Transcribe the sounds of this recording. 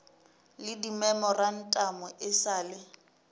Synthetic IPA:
lɪdimɛmɔran̩tʼamɔʔɪsaːlɪ

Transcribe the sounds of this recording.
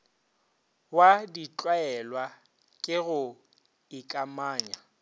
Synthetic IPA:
wadit͡ɬʼwaɛlwa | kʼɪɣʊ | ɪkʼamaːɲa

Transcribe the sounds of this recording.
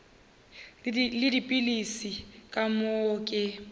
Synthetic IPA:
lɪdipʼilisikʼamoːkʼɪ

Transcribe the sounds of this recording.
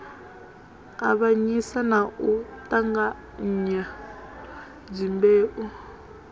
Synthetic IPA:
aβaɲisanaʔutʼaŋɡa | ɲ̩ɲa | d͡ʒimbeːʔu

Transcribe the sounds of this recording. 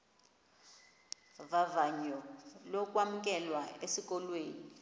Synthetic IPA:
vavaɲɔlɔkʼwamuk̬ʼɛlwaesik̬ʼɔlweːni

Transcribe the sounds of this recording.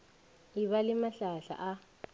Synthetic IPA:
iβalimaɬaɬa̰ʔa

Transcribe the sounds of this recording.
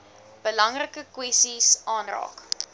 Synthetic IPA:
b̥əlɐŋrəkəkwɛstisɑːnrɑ̰ːk

